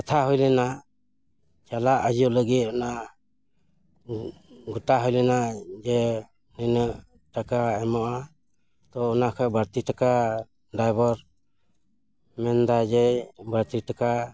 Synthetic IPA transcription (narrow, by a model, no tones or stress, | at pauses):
kat̪ʰaɦɔjlɛna | t͡ʃalaʔəd͡ʒɔləɡit̪̚ɔna | ɡuʈaɦɔjlɛnad͡ʒɛ | ninəʔ | ʈakaɛmɔʔa | t̪ɔunakʰɔbəɾt̪iʈaka | ɖajbɔɾ | mɛnd̪ad͡ʒɛbəɾt̪iʈaka